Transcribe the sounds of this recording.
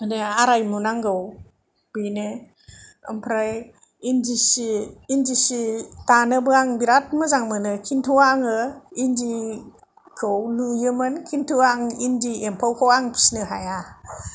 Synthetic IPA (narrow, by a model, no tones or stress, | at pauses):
ɯneaɾajmunaŋɡɯw | b̥ine | ə̰mpʰɾaj | indisiːndisitanɯbɯaŋbiɾat̚mɯzaŋmɯnɯkʰintʰuwaŋɯindi | kʰɯwlujɯmɯnkʰintʰuaŋindiempʰawkʰawaŋpʰi̥snɯɦaja